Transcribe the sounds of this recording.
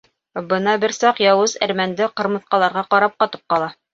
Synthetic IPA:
bɤnɑbɘɾsɑqjɑwɤzæ̰ɾmænd̪ɘqɤ̆ɾmɤ̆θqɑlˠɑɾʁɑqɑɾɑp̚qɑt̪ɤ̥p̚qɑlˠɑ

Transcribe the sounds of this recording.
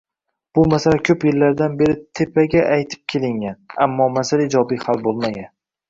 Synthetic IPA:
b̥ʊmasalakʲʰɵpjelːaɾd̪anbe̞ɾɪt̪ʰe̞pʰaɡʲaʔajt̪ʰɪ̥p̚kʲʰe̞lɪŋʲanamːɒmasalɪd͡ʒɒbijhalbolˠmaɡʲan

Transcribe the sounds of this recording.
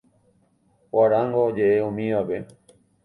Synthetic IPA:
waɾaŋɡod͡ʒeʔeõmĩʋabe

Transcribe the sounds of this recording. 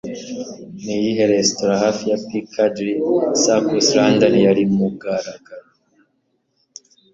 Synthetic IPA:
nijiɦeɾestoɾahafijapikʰadɾisakusɾaːndanijaɾimuɡaɾaɡaɾo

